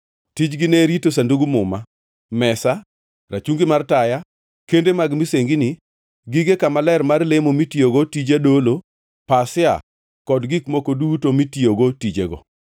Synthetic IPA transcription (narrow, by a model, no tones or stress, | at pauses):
tit͡ʃɡɪneɾitosanduɡumʊma | mɛsa | rat͡ʃuŋɡɪmartaja | kendemaɡmiseŋɡinɪ | ɡiɡekamalɛrmarlemomitioɡotid͡ʒadolo | pasɪa̰ | kɔdɡikmokodutomitioɡotid͡ʒeɡɔ̰